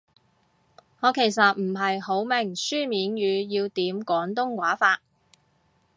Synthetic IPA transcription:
ŋɔː˨˧kʰe˨˩js̬ɐ˨t̚m̩˨˩ɦɐ˨jho˨˥wmɪ˨˩ŋsyː˥miː˨˧˥njyː˨˧jiː˧wt̪iː˨˥mkɔː˨˥ŋt̪ʊ˥ŋkwaː˨˥faː˧t̚

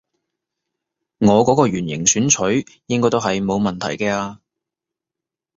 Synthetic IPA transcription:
ŋɔː˨˧kɔː˨˥kɔː˧ɥyː˨˩njɪ̰˨˩ŋsyː˨˥nt͡ʃʰɵ˨˥ɥjɪ˥ŋkɔː˥jt̪wɦɐ˨jmo˨˧wmɐ˨nt̪ʰɐ˨˩jkɛː˧aː˧

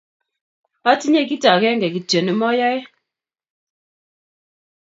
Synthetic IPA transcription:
a˦ti˦ɲɛ˦k̬i˦ta˨kɛ˦ŋɡɛ˨ki˨d͡ʒɛ˨nə˦mɔ˦ja˦j

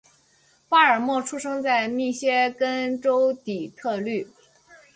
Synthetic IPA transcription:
pa˥ə˞˨˩mwɔ˥˩ʈ͡ʂʰu˥ʂɤ˥ŋt͡sa˥˧ɪmi˥˩ɕjɛ˥kə˥nʈ͡ʂo˥ʊt̪i˨˩t̪ʰɤ˥˧ly˥˩

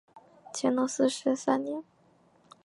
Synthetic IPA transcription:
t͡ɕʰjɛ˧˥nnɔ˧˥sɹ̩˥˧ʂɻ̩˧˥sa˥nnjɛ˧˥n

